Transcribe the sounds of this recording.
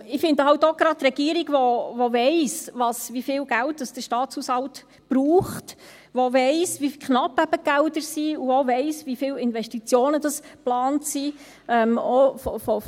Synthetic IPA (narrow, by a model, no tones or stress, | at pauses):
ɪfɪndəhɑwtoɡ̥ɾɑttːɾɛɡ̥iəɾiɡʋoʋoʋɛɪsʋɑsʋifɪːlɡælt̚d̥ɑsd̥əɾʃtɑːt͡shuːshɑlt | b̥ɾuːχt | ʋoʋɛɪsʋikχnɑpːæb̥əɡ̥ældəɾsiuovɛɪsvifɪːlɪnvɛstit͡sjoːnədɑsplɑːntsi | ɛmofɔfɔ